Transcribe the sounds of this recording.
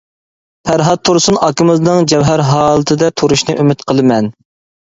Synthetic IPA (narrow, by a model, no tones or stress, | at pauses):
pʰæɾɦɑt̪̚t̪ʰːuɾsunɑkɪmɪznɨŋd͡ʒɛwɦæɾɦɑːlˠɨt̪ʰɨd̪ɛt̪ʰuɾuʃnɨʔymɪt̪qʰəlˠɨmɛn